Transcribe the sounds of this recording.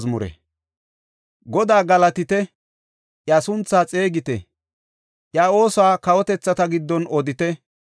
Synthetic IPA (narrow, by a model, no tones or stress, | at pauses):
zmʊɾɛ̰ | ɡɔd̪aːɡɐlɐt̪ɪt̪ɛ | jasʊnt͡sːaːt͡sʼe̞ːɡɪt̪ɛ̰ | ʔjaːo̞ːsaːkɐwɔt̪ɛt͡sːɐt̪ɐɡɪd̪ːɔnɔd̪ɪt̪ɛ